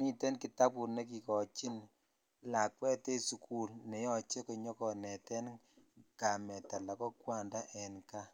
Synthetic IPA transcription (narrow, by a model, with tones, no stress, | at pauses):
mi˦tɛ˦nki˨ta˦pu˨ne˦k̬i˨kɔ˨t͡ʃi˦n | la˨k̚wɛ˦te˦su˨kʰu˦lne˨˦jɔ˨t͡ʃe˦kɔ˨ɲɔ˦kɔ˨nɛ˨tɛ˦n | ka˨mɛ˨ta˨la˨kɔ˦kwa˦˨nda˦ʔɛ˨nka˦